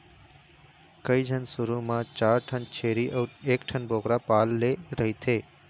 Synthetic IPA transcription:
kəid͡ʒʱənsuɾumãt͡ʃaːɾʈʰənt͡ʃʰeɾieːkʈʰənboːkɾapaːlːeɾəɦit̪ʰeː

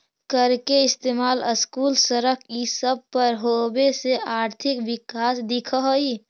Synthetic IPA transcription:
kəɾkeɪst̪eːmaːləskuːlsəɾəkʰisəb̚pəɾɦobeseʔaːɾt̪ʰɪkʋɪkaːsd̪ɪkʰəɦoi

